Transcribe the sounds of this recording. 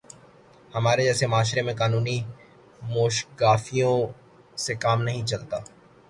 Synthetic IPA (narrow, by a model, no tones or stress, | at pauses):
hɐmaːɾed͡ʒɛːsemaːʃɾemẽkaːnuːni | moːʃɡaːfijõ | sekaːmnɐɦĩt͡ʃɐlt̪aː